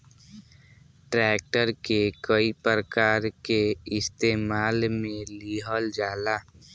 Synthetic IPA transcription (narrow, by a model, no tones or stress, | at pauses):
ʈɾɛːk̚ʈəɾkekəipəɾəkaːɾkeɪst̪eːmaːlmẽliːɦəld͡ʒaːlaː